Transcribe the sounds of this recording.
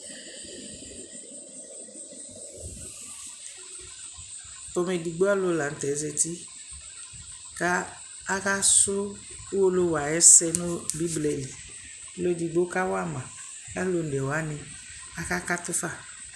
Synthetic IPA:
ɔ˨mɛ˨di˨ɡ͡bo˦a˦lo˦la˨n̩˨t̪ɛ˨˦zɛ˨t̪i˦ | ka˦ | a˦ka˦sʊ˦ | wo˦lo˦wa˨jɛ˦sɛ˦nʊ̃˦bi˦blɛ˨li˨˦ | lo˦d͡ʒi˨ɡ͡bo˦ka˦wa˦mã˨ | ka˦lo˨n̩˨ɛ˨wa˦nɪ˨ | a˨ka˦ka˦t̪ʊ˦fa˦˨

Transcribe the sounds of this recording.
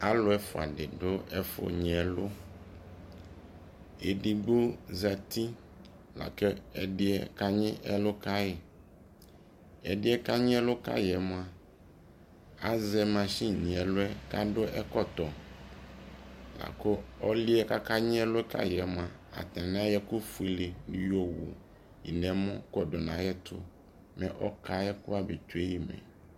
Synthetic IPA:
a˦lʊ˦ɛ˦fʊ˨a̰˨ɖɪ˨ɖʊ˦ɛ˦fʊ̰˨ɲ˨ɛ˨lʊ˦ | e˨di˨ɡ͡bo˦za˨t̪i˦ | la̰˨ke˦ɛ˨ɖɪ˦ɛ˦ka˦ɲɪ̃˦ʔɛ˦lʊ˦ka˦je˨ | ɛ̰˨dɪ˦ɛ˦ka˦ɲɪ̃˦ɛ˦lʊ˦ka̰˦jɛ˨mõ˨˦a˨ | a˦zɛ˦mã˨ʃi˦ɲĩ˨ɛ˨lʊ˦ɛ˦ka˦dʊ˦ʔɛ˦kɔ˦t̪ɔ˨ | la̰˨kʊ˦ɔ˦lɪ˦ɛ˦ka˦ka˦ɲɪ̃˦ɛ˦lʊ˦kʰa̰˦jɛ˨mʊ̃˨a˨a̰˨t̪ã˨n˦ã˦jɛ˦kʊ˦fu˨i˦lɪ˨nɪ̃˦jo˦˨wṵ˨ | jḭ˨nɛ̃˨mɔ̃˦kɔ˨dʊ˨nã˨jɛ˦t̪ʰʊ̰˦ | mɛ̰̃˨ʔɔ˦ka˦ɛ˦kʊ˦a˦be˨t̪u˨e˦ji˨mɛ̰̃˨

